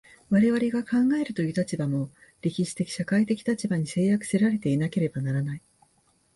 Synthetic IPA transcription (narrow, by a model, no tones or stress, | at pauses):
βaɾe̞β̞aɾe̞ɡakãŋɡae̞ɾɯ̟t̪o̞jɯ̟ːt̪at͡ɕibamo̞ɾʲekʲiɕi̥t̪e̞kʲi̥ɕakait̪e̞kʲi̥t̪at͡ɕibaɲ̟ise̞ːjakɯ̟̥se̞ɾaɾe̞t̪e̞inake̞ɾe̞banaɾanai